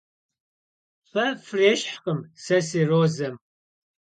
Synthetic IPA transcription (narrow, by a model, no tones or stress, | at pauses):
fɐfreʃħqʼəmsɐsiroːzɐm